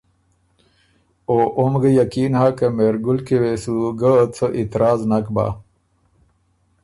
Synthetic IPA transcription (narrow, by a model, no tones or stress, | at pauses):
oːʔomɡəjakiːnhakemeɾɡulkewesuɡət͡sʰəʔit̪ɾaːznakba̰